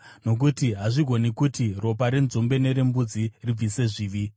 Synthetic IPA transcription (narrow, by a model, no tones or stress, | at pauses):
no̞k̬utiɦaʐiɡʱo̞nikutiro̞p̬aɾenzombe̞ne̞ɾe̞mbud͡zirib͡vʱise̞ʐiːʋi